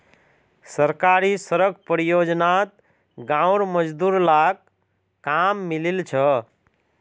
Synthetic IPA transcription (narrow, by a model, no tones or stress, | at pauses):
səɾkaɾisəɾəɡ̚pɾijod͡ʒnat̪̚ | ɡãwɾməd͡ʒd̪uɾlak̚ | kamːililt͡ʃʰə